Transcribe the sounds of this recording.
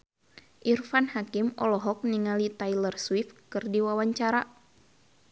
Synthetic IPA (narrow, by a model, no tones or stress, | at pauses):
ʔirfanhakimɔ̰lɔɦɔk̚niŋalit̪ailərswifkɨrdiwawaɲt͡ʃaɾa